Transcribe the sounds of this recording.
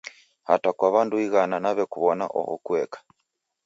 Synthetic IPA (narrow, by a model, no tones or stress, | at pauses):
hatakwaβanduiɣananaβɛkuβɔna̰ʔɔ̰hɔ̰kuɛkḁ